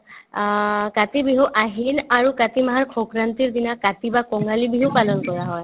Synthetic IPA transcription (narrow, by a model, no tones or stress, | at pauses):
katibiɦuʔaɦinaɹukatimaɦaɹkʰɔkɹant̪iɹd̪inakat̪ibakɔŋalibiɦupalɔnkɔɹaɦɔj